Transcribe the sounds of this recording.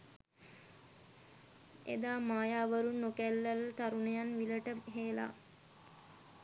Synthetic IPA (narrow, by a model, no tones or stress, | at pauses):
ḛd̪aːmaːjaːʋəɾunːokælːəlt̪aɾunejanʋiləʈəɦeːla̰